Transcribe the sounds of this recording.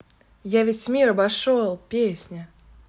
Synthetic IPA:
javʲesʲmʲiɾɐbɐʂolˠpʲesʲnʲə

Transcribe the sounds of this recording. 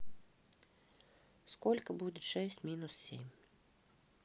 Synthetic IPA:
skɔlʲkɐbud͡zʲɛʂɛsʲt͡sʲmʲinussʲḛmʲ

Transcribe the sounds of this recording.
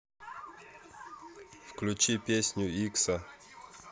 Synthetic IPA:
fklʲut͡ɕipʲesʲnʲjʊiksɐ

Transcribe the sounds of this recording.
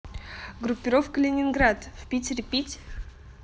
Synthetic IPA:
ɡrupʲːɪɾofkəlʲenʲɪnɡrat̪vpʲitʲɪrʲpʲitʲ

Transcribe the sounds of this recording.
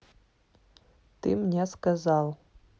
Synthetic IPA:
t̪ɨmnʲeskazɑlˠ

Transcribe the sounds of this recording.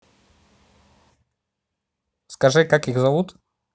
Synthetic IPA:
skɐʐɨkakixzɐvut̪

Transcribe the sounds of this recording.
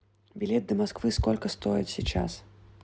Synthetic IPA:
bʲilʲɛt̪̚d̪ɐmaskvɨskɔlʲkɐst̪ɔjḭt͡sʲsʲḭt͡ʂa̰s

